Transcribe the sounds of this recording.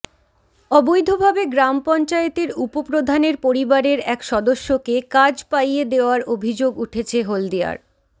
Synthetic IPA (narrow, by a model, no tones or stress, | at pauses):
ɔbojd̪ʱobʱabeɡɾampɔnt͡ɕaet̪eɾupopɾod̪ʱaneɾpoɾibaɾeɾɛkʃɔd̪oʃːokekad͡ʑpajed̪eoaɾobʱid͡ʑoɡuʈʰet͡ɕʰeɦold̪ia̰ɾ